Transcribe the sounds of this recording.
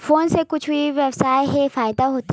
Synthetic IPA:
foːnsekʊt͡ʃʰʋiʋeːbsaːjɦɛfaːjɪd̪aɦoːt̪i

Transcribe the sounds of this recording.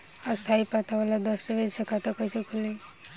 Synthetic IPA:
ɔɾst̪ʰaipat̪aʋalad̪ɔseʋed͡ʒsəkat̪akosekʰʊlẽ

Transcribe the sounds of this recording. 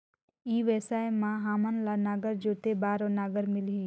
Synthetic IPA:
iːʋɛːsaːemãɦaːmənlanaːɡəɾd͡ʒoːt̪ebaːɾonaːɡəɾmɪlɦi

